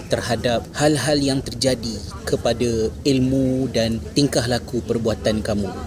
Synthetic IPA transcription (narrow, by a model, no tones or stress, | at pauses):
t̪ərhadap̚halɦaljaŋt̪ərd͡ʒadi | kəpadailmudant̪iŋkahlakupərbuat̪ankamũ